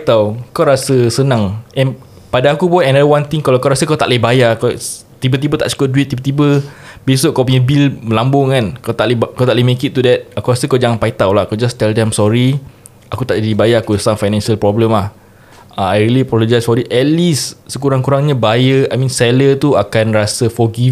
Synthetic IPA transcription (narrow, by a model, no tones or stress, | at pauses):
t̪awkawɾasəsənãŋɛ̃n | padaːkupɔnɛ̃nawãnt̪iŋkalawkawɾasəkawt̪a̰ʔləhbajaka | t̪ibət̪̬ibət̪a̰ʔsə̥kɔt̚duit̪̚ːibət̪ibəb̥esoʔkawp̬uɲabilməlambʊŋkankawt̪aʔləkawt̪aʔləmekit̪̚ːudɛt̪̚akuɾasəkawd͡ʒaŋanpait̪awlahkawd͡ʒast̪ɛldɛ̃msɔɾi | akut̪aʔd͡ʒadibajaakusaŋfajnɛ̃nʃəlpɾɔbləmlah | aajɹiliapɾɔlod͡ʒajsfɔdit̪̚ʔɛt̪̚lisːəkuɾaŋkuɾaŋɲabajəajmĩnsɛlət̪uakanrasəfɔɡi